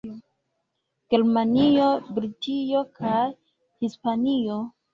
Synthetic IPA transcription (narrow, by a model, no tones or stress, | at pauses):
ɡ̥e̞ɾmanio̞bɾid͡ʒio̞kʰaj | hispanio̞